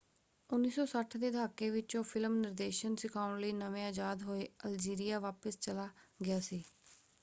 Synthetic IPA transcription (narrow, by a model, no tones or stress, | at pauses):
ʊnːiːsɔːsəʈʰd̪eːd̪ʱaːkeːʋɪt͡ʃõːpʰɪlmnɪɾd̪eːʃənsɪkʰaːʊɳləiːnəʋẽːaːd͡ʒaːd̪ɦoːeːəld͡ʒiːɾijaːʋaːpəst͡ʃəlaːɡɪjaːsiː